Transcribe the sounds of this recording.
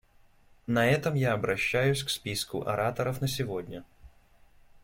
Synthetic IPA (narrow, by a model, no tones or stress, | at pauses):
nɐɛt̪əmjaɐbɾɐɕːæjʊsʲkspʲiskʊ̰ʔɐ̰ɾat̪əɾəfnəsʲɪvodʲnʲə